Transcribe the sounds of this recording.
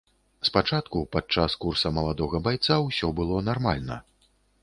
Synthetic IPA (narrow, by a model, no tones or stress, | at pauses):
spat͡ʂat̪kupat͡ʂaskursɐmɐlˠad̪ɔɣɐbajt̪sawsʲɔbɨlˠɔnarma̰lʲnɐ̰